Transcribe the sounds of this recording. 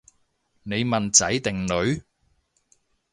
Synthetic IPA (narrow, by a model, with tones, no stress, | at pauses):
ne˨˧jmɐ˨˩nt͡sɐ˨˥jt̪ɪ˨ŋlɵ˨˧ɥ